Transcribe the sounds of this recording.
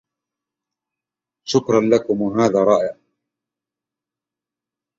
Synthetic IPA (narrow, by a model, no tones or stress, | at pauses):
ʃʊkɾˤɑnlakʊmwaɦaːðaːɾˤɑːʔɪʕ